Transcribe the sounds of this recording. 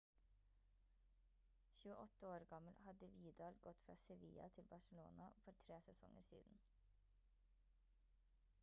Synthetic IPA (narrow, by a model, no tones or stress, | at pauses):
çʉːəʔɔt̪əoːɾɡɑməlhɑd̪əʋiːd̪ɑːlɡɔt̪fɾɑ̰ːsɛʋḭːɑ̰t̪ʰɪlbɑʃəlo̰ːnɑfɔɾt̪ʰɾeːsɛsɔ̰ŋə̰ɾsḭːd̪n̩